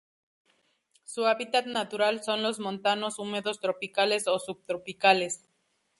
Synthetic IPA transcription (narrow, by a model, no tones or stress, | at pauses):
suaβit̪at̪nat̪uɾalso̞nlo̞zmõ̞nt̪ano̞sumeðo̞st̪ɾo̞pikale̞so̞sub̚t̪ɾopikale̞s